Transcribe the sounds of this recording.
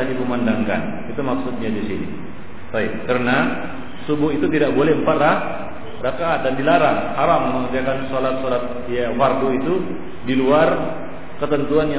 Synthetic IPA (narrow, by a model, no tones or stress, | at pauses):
adipumandaŋka̰n | it̪umaksut̪̚ɲadisinḭ | t̪aip̚kərəna | subʊhit̪ut̪idakbolɛhəmpat̪rah | rakaʔːt̪̚dandilaɾaŋhaɾamːməŋət̪iakansolat̪̚solat̪̚ | jafark̪uit̪u | diluar | kət̪ənt̪uanja